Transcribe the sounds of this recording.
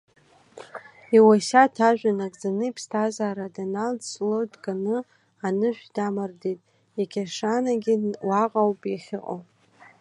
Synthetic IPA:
iwaʃatʰaʒʷᶣanakʼd͡zanɨipʰstʰazaːɾadanaldslodɡanɨ | anɨʒʷᶣdamardejtʼ | akʲʰaʂanaɡʲiwaqʼawpʼiχʲɪqʼo̰

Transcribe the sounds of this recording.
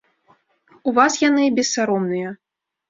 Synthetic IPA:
uvasjanɨbʲɛsːaɾɔmnɨjɐ

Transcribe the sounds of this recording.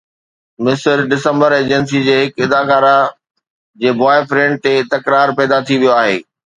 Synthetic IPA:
mɪsəɾɖɪsə̃mbəɾeːd͡ʑəns̬id͡ʑeːɦɪkɪd̪aːkaːɾa | d͡ʑeːbɔːɪfɾẽːɳʈ̚t̪et̪ɐkɾaːɾpɛːd̪at̪ʰiʋijoaːɦḛː

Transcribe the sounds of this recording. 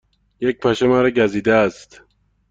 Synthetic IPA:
jec̚pʰæʃemæɾɒɟæziːd̪ææst̪

